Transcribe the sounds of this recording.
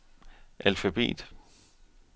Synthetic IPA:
ʔælfæb̥ḛːd̥

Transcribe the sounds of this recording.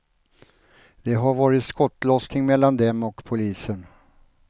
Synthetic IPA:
d̪̥ɛɦaɾvɑːɾɪt̪skɔt̪ːlɔsnɪŋmɛlːand̪ɛmɔkpʰʊliːsən

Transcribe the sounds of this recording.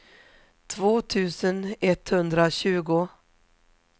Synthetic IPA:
t̪ʰvoːt̪ʰʉ̟ːsənɛt̪hɵnd̪ɾaɕʉ̟ːɡʊ

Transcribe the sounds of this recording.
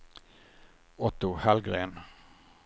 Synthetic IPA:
ɔt̪ʊhælɡʁeːn

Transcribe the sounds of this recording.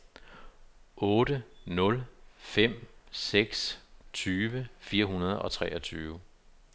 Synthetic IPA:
ʔɔ̽ːɾənɔ̽lfem̰seɡ̥st͡sʰyːʋəfiːɐɦunɐð̞ˠɒ̽t͡sʰʁɛ̰ːʔɒt͡sʰyːʊ

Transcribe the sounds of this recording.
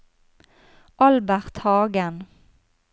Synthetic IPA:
ʔɑlbæʁt̪hɑːɡən

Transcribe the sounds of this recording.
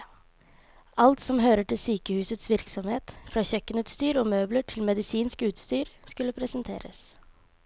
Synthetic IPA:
ɑlt̪sɔmɦøːɾəʈɪlsyːkəhʉːsət̪sʋɪɾksɔmheːt̪fɾɑːçœkːənʉːt̪st̪yːɾoːmøːbləʈʰɪlmɛd̪ɪsiːnskʉːt̪st̪yːɾskʉlːəpʰɾɛsənt̪ʰḛːɾə̰s

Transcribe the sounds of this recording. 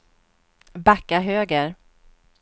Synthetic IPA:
bakːaɦøːɡəɾ

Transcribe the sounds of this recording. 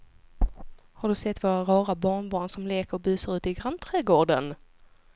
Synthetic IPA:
haɖɵsɛt̪ːvoːɾaɾɑːɾabɑːɳbɑːɳsɔmleːkəɾɔbʉ̟ːsəɾʉ̟ːt̪ɪɡɾant̪ʰɾɛːɡoːɖən

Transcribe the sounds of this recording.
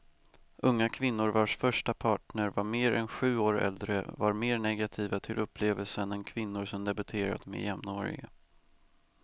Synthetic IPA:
ʔɵŋːakʰvɪnːʊɾvaʂfœʂʈapʰɑːʈɳəɾvaɾmeːɾɛ̰nɧʉ̟ːoːɾɛ̰ld̪ɾəvaɾmeːɾɳɛɡat̪ʰiːvat̪ʰɪlʔɵpːleːvəlsənɛnkʰvɪnːʊɾsɔmd̪ɛbɵt̪ʰeːɾa̰t̪mḛjɛmnoːɾɪ̰ɡa̰

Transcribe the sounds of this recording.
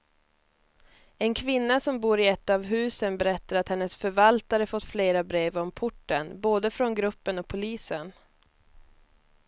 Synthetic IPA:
ɛnkʰvɪnːasɔmbuːɾɪɛt̪ːavɦʉ̟ːsənbɛɾɛt̪ːaɾat̪hɛnːəsfœɾvalt̪aɾəfɔt̪ːfleːɾabɾeːvɔmpʰʊʈːənboːd̪əfɾɔnɡɾɵpːənɔk̚pʰʊliːsən

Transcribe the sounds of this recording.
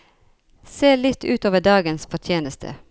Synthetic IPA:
seːlɪt̪ʰːʉːt̪oːʋəɖɑːɡənsfɔʈ̪ʰjeːnəst̪ʰə̰

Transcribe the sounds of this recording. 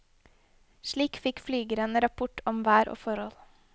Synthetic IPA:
ʃɭiːkfɪkflyːɡəɾənəɾɑpʰʊʈʰɔmʋæːɾʔo̰ːfɔɾɔl

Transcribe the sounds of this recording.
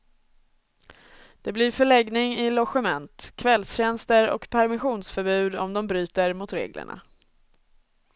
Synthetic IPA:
d̪̥ɛblɪɾfœɭɛɡnɪŋɪlɔɧɛmɛnt̪kʰvɛlsɕɛnst̪əɾɔ̰kpʰæɾmɪɧuːnsfœɾbʉ̟ːd̪ɔ̰md̪ɔmbɾyːt̪əɾmʊt̪ɾḛːɡlə̰ɳa̰

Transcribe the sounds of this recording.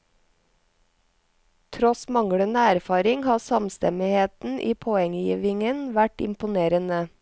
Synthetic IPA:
t̪ʰɾɔsmɑŋɽənəæɾfɑːɾɪŋhɑːsɑmst̪ɛ̰mɪheːt̪n̩ʔiːpʰoːɛŋjiːʋɪŋənʋæʈɪ̰mpʊneːɾənə

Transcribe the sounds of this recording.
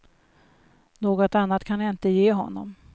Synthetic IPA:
noːɡɔt̪anːat̪kʰanjaɪnt̪əjeːɦɔ̰nːɔ̰m

